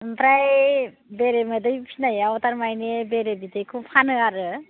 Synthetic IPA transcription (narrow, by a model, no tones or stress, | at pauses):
bɾaj | beɾemɯdɯjpʰinajaɔtaɾmajnebeɾebidɯjkʰupʰanɯaɾɯ